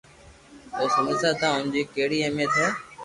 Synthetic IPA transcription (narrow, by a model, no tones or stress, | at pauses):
oːsʊmɪsaːt̪ãːʊnd͡ʑiːkeːɦɽiːemẽːt̪ʰɛː